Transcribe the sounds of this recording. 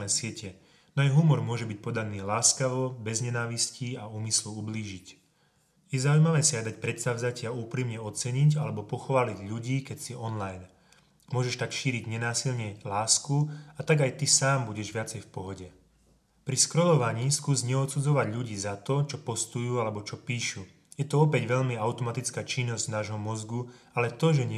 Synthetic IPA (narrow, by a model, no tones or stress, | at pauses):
ɛːsɪɛcʰɛ | nɔajɦumɔɾmʊɔʒɛbic̚pɔd̪aniːlaːskaʋɔbɛzɲɛnaːʋisciauːmisluubliːʒic | jɛzaujmaʋɛːsɪad̪acpɾɛt̪st̪aʊzacɪauːpɾiːmɲɛɔt͡sɛɲiɟalɛbɔpɔxɔʋaːliɟʎuɟiːkɛcsiɔnlajn | mʊɔʒɛʃt̪akʃiːɾiɟɲɛnaːsilɲɛlaːskuat̪aɡajt̪isaːmbuɟɛʒʋɪat͡sɛjfpɔɦɔɟɛ | pɾiskɾɔlɔʋaɲiːskuːzɲɛɔt̪sud͡zɔʋaɟʎuɟiːzat̪ɔt͡ʃɔpɔst̪ujuːalɛbɔt͡ʃɔpiːʃu | jɛt̪ɔɔpɛɟʋɛʎmiaʊt̪ɔmat̪it͡skaːt͡ʃinːɔzɟ̥naːʒɦɔmɔzɡu | alɛt̪ɔʒɛɲɛ